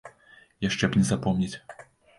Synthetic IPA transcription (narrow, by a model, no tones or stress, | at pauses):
jaʂt͡ʂɛbnʲɛzapɔmnʲɛt͡sʲ